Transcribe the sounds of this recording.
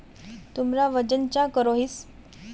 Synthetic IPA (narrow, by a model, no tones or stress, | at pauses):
t̪umɾaʋəd͡ʑənt͡ɕakəɾoɦiːs